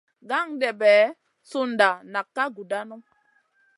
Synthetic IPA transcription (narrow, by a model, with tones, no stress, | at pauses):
ɡa˦˨ŋdɛ˨bɛː˨˦ | su˦n˨da˨na˨kːa˦ɡu˨da˦nu˦